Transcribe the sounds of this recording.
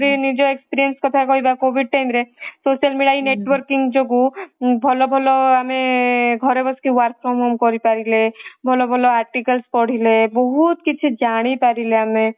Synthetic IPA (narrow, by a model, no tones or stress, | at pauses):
ɾinid͡ʒoekspiɾijənskɔt̪ʰakɔibakobiɖ̚ʈamɾesosijəlmiɽaineːʈʋəɾkĩŋɡd͡ʒoɡubʱɔlobʱɔloameɡʱɔɾebɔskiʋaɾk̚ʰɾomɦomkɔɾipaɾilebʱɔlobʱɔloaːɾʈikəlspɔɽ̤ilebɔɦut̪kit͡ʃʰid͡ʒaɽ̃ipaɾileamẽ